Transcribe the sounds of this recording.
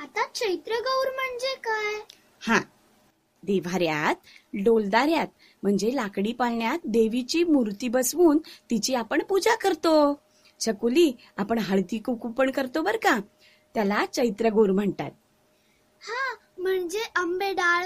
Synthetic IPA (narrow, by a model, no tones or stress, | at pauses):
at̪at͡ɕəjt̪ɾəɡəwɾm̤əɳd͡zekaj | hã | d̪eʋ̤aɾjat̪̚ɖold̪aɾjat̪̚ | m̤əɳd͡zelakɽipalɳjat̪̚d̪eʋit͡ɕiːmuɾt̪iːbəsʋuːnt̪it͡ɕiapəɳpud͡zakəɾt̪o | t͡ɕʰəkuli | apəɳɦəɭd̪ikukupəɳkəɾt̪obəɾka | t̪jalat͡ɕəjt̪ɾəɡəwɾm̤əɳt̪a̰t̪̚ | hã | m̤əɳd͡zeʔəmbeɖaɭ